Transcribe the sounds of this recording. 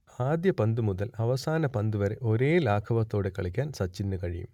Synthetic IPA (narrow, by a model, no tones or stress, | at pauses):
aːd̪jɐpɐnd̪ɨmuðɐlɐʋɐsaːnɐpɐnd̪ɨʋɐɾeʔo̞ɾe̞ːlaːkʰɐʋɐt̪ːoːɽekɐɭikʲːaːnsɐt͡ɕːinːɨkɐɻijṵm